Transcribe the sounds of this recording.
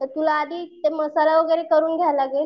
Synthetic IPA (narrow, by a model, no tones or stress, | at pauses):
t̪əɾt̪ulaːd̪ʱiːt̪eməsalaʋəɡəjɾekəɾuːnɡʱjajlaɡel